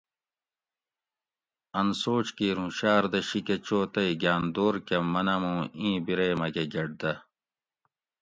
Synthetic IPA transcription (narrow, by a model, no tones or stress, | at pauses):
ɐnsoːt͡ɕkiːɾũɕaːɾd̪ɐɕiket͡ɕoːt̪ɐiɡaːnd̪oːɾkemɐnɐmũːĩːbiɾeːmɐɡeɡɐɖ̚d̪ɐ